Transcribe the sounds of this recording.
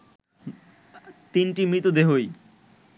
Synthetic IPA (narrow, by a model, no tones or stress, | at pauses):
t̪inʈimɾit̪od̪eɦoj